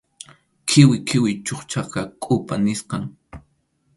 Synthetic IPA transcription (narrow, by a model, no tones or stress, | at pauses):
kʰɪwɪkʰɪwɪt͡ʃoχt͡ʃɑqɑkʼʊpanɪsqɑŋ